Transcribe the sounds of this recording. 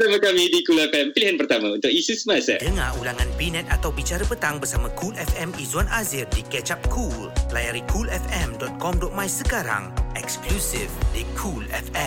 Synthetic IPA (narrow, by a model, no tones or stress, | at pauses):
amakamidikulɛfɛmpəliɦanpərt̪amãunt̪ʊkisusəmasɛdəŋãulaŋãnpinɛ̃t̪̚at̪awbit͡ʃaɾəpət̪aŋbərsamãkʰulɛfɛmizwanazirdikɛt͡ʃap̚kʰullajaɾikʰulɛfɛmdɔt̪̚kɔmdɔt̪̚mãjsəkaɾa̰ŋɛksklusifdikʰulɛ̰fɛ̃